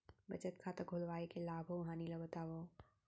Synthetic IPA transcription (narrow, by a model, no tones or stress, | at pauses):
bɐt͡ʃət̪̚kʰaːt̪ɐɡʱʊlʋaːekelaːbʱoʋɦãːnilɐbət̪aːʋoː